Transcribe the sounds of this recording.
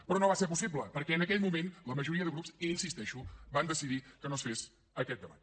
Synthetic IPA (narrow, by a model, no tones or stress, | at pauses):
pɾɔnoβaseɾp̬usibləpəɾkɛənəkɛʎmumenləməʒuɾiəðəɣɾupziinsist̪ɛʃuband̪əsiðikənosfes | əkɛt̪̚d̪əβa̰t̪